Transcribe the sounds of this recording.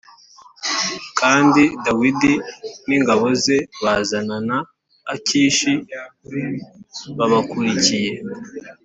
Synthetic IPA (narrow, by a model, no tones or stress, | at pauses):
kʰaːndidawidiniːŋɡaβo̞ze̞βaːzananaː | ciːʃi | βaβakuɾicije̞